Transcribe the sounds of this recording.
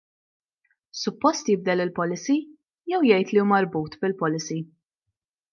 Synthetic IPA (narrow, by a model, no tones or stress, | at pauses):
sʊpːɔst̪jɪb̚d̪ɛlɪlpɔlːɪsi | jɛwjɛjt̪liuːmɐɾbuːt̪bɪlpɔlɪsi